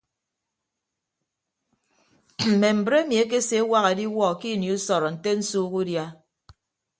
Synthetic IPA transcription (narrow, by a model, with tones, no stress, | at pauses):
m̩˨me˨m̩˨bɾe˦mi˨e˦k̬e˦se˨˦wa˦ɣe˨di˦wɔ˦˨ki˦˨ni˨u˦sɔ˨ɾɔ˨n̩˨te˦n̩˦suː˦ɣu˦dja˦